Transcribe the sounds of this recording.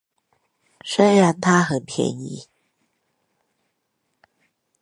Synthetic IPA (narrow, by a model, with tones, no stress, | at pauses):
ʂə˥nɻa˧˥nt̪ʰa˥xə˨˩npʰjɛ̰˧˥nḭ˧˥˦